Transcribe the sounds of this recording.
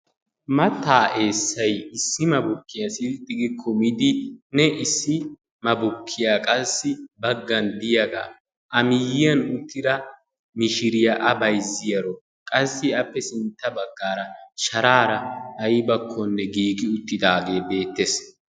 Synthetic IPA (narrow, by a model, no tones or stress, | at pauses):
mɐt̪ːaːʔe̞ːsːɐjɪsːɪmɐbʊkːɪjɐsɪlt̪ʼːɪɡɪkʰːɔmɪd̪ɪnɛʔɪsːɪ | mɐbʊkʰːɪjaːkʼɐsːɪbɐɡːɐnd̪ɪjɐɡa̰ | ʔɐmɪjɪjɐnʊt̪ʰːɪd̪ɐ | mɪʃɪɾɪjɐʔɐbɐjzːɪjɐɾɔ | kʼɐsːɪɐpːɛsɪnt̪ːɐbɐɡːaːɾɐʃɐɾaːɾɐɐjbɐkʰːɔnːɛɡiːɡɪʊt̪ːɪd̪aːɡe̞ːbe̞ːt̪ːes